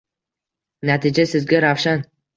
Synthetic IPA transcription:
nat̪ʰɪd͡ʒasɪzɡʲaɾawʃan

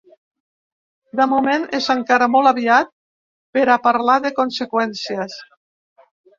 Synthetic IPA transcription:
d̪əmumenezaŋkaɾamɔlˠaβiat̪̚ | peɾapaɾlaðekonsekwɛnsiəs

